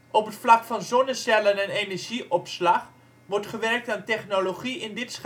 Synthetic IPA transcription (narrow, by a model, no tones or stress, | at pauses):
ʔɔpɦətflɑkfɑnzɔnəsɛlənɛnenɛɹʒiʔɔpslɑχ | ʋɔɹtχəʋɛɹk̚taːntɛχnoloχiɪndɪts